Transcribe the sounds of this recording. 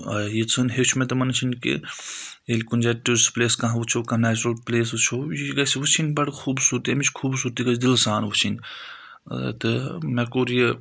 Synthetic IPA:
ɐjit͡sʰɐnɦet͡ʃʰumẽt̪ɐmɐnt͡ʃʰinkḭ | elikunʲd͡ʒɐʈiɾspleːskɐ̃ɦʋut͡ʃʰokɐnæːt͡ʃuɾɐlpleːs̬ʋut͡ʃʰojiɡɐsiʋut͡ʃʰinʲbɐɽkʰuːbsuːɾt̪iɐmit͡ʃʰkʰuːbsuːɾt̪iɡɐsd̪ilsaːnʋut͡ʃʰin | t̪ɨmɛkoːɾijə

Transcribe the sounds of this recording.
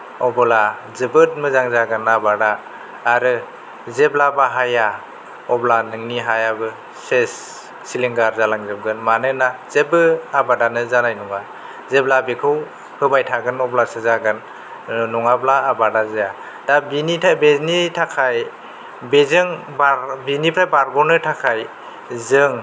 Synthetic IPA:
ɔbɔla | zɯbɯt̚mɯzaŋzaɡɯnabadaː | ɾɯ | zeblabaɦaja | ɔblanɯŋniɦajabɯ | sesː | iliŋɡaɾzalaŋzɯmɡɯnmanɯnazebɯabadanɯzalajnuŋa | zeblabekʰɯw | pʰɯbajtʰaɡɯnɔblasɯzaɡɯn | nɔŋablaːbadazeja | dabiniabeznitʰakʰaj | bezɯŋ | babinipʰɾajbaɾɡɔnɯtʰakʰaj | zɯŋ

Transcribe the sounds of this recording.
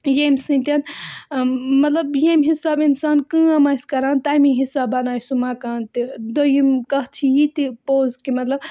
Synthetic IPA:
jemsɨ̃nt̪ʲɐn | mɐt̪lɐbjemɦisaːbinsaːnkɨ̃ːɐmaːskɐɾaːnt̪aːmiɦisaːbɐnaːjsumaːkaːnt̪id̪ojimkɐɦt͡ʃʰijit̪ipoːzkimɐt̪lɐb

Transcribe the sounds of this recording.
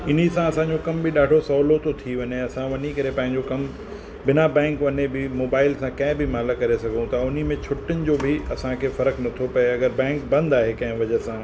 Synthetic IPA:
ɪn̤isãɐsãɲ̆d͡ʑokɐmbɪɗaːɖʱosɐːlot̪ot̪ʰiʋɐɲeɐsãʋɐɲikɐɾepɐ̃ɦɪ̃ɲd͡ʑokɐm | bɪnabɛ̃ːŋkʋɐɲebɪmoːbaːɪlsãkɐ̃ɦɪ̃bʱɪmaːləkɐɾesɐɡʱũt̪aʊnimẽt͡ɕʰʊʈʊnɪ̆d͡ʑoːbʱɪɐsãkʰefɐɾəknɐt̪ʰopɐeɐɡəɾbɛ̃ːŋkbɐ̃nd̪aːɦekɐ̃ɦɪ̃ʋɐd͡ʑəsãː

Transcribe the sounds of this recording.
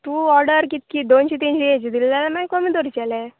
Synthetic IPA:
t̪uːɔɾɖəɾkit̪kid̪ont͡ɕit̪int͡ɕiet͡ɕid̪ilːalamaikomiːd̪oɾit͡ɕɛlɛ

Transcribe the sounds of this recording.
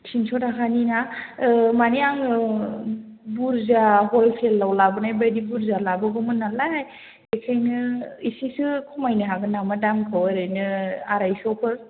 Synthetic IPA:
tʰinsɔtakʰanina | maniaŋ | buɾzaɦɔlpʰelːawlabɯnajbajdibuɾzalabɯɡɯmɯnːalaj | ekʰajnɯisisɯkʰɔmajnɯɦaɡɯnamadamkʰaweɾajnɯaɾajsɔkʰɯɾ

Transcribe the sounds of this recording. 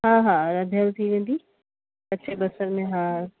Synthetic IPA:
ɦãːɦãɾɐd̪ʱjalt̪ʰiʋẽːn̆d̪i | ɐtːʃʰebɐsəɾmẽɦãː

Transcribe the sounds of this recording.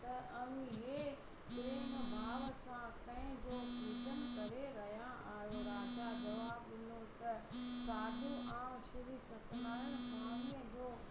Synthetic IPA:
t̪ɐʔɐʋĩɦeː | pɾeːmbʱaːʋəsãpɐ̃ɦɪ̃d͡ʑoːpeːt͡ɕənkɐɾeɾɐɦijãʔaːjoɾaːd͡ʑad͡ʑɐʋaːbɗɪnot̪ɐsaːɖuʔaːmʃɪɾisɐkʰnaːɪɽ̃ʊsɐməniə̃d͡ʑoː

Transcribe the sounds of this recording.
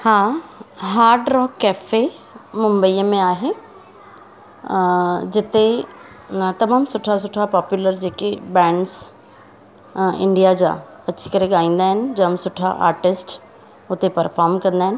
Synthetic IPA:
hãːɦaːɾɖɾɔːkːɛːfe | mʊ̃mbəiːmẽaːɦe | d͡ʒɪt̪e | t̪ɐmaːmsʊʈʰasʊʈʰapɔːpjuləɾd͡ʒeːkebɛ̃ːɳɖs | ɪ̰̃ɳɖijad͡ʒa̰ | ɐtːʃʰikɐɾẽɡaːĩːnd̪aɦɛnd͡ʒɐmsʊʈʰa̰ʔa̰ːɾʈɪsʈ | ʊt̪epɐɾfʰɔːɾmkɐɾ̃nd̪aɦɛn

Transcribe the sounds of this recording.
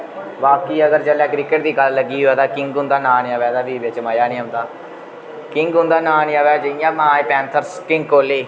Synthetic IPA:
ʋaːkiːəɡəɾd͡ʒəlɛːkɾɪkəʈ̚d̪iːɡəlːəɡiːɦoɛːd̪aːkɪŋɡʊ̃nd̪aːnaːnĩãːʋɛːd̪aːd̪iːbɪt͡ʃmaːjaːnĩːɦə̃ːnd̪aː | kɪŋɡʊ̃nd̪aːnaːnĩːaːʋɛːd͡ʒəijãːmãːipɛːnt̪ʰəɾskɪ̃ŋɡkoːleː

